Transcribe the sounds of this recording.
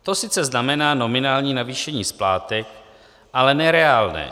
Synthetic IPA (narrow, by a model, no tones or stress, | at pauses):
t̪o̞sɪt͡sɛznamɛnaːno̞mɪnaːlɲiːnaviːʃɛɲiːsplaːt̪ɪ | ʔalɛnɛɾɛaːlnɛ̰ː